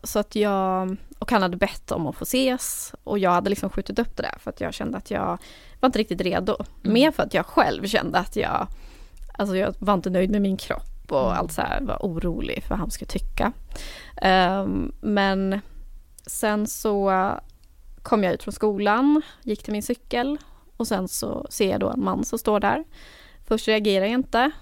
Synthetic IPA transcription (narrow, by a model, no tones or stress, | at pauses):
sɔat̪jɑːɡʔɔkhanhad̪ːəbɛt̪ʰːɔ̰mɔfoːseːsʔɔ̰jɑːɡhad̪əlɪksɔmɧʉ̟ːt̪ɪt̪ɵpːd̪̥ɛd̪æ̰ɾfœɾat̪jɑ̰ːɡɕɛ̰nd̪əat̪ʰjɑ̰ːɡ | vaɾɪnt̪əɾɪkt̪ɪt̪ɾḛːd̪ʊmeːɾfœɾat̪jɑːɡɧɛ̰lvɕɛ̰nd̪əat̪ʰjɑ̰ːɡ | ʔalsɔjɑːvaɾɪnt̪ənœjd̪mɛmɪnkʰɾɔ̰pːɔa̰lt̪sæ̰va̰ʔuːɾuːlɪ̰ɡfœva̰hanskat̪ʰʏkːa | mɛn | sɛnsɔ | kʰɔmːjɑʉ̟ːt̪fɾɔnskuːlanjɪkːt̪ʰɪlmɪnsʏkːəl | ɔsɛnsɔ̰seːjɑ̰d̪o̰ɛ̰nmanːsɔmst̪oːɖæ̰ɾ | fœʂʈɾɛaɡeːɾaɾjaɪnt̪ə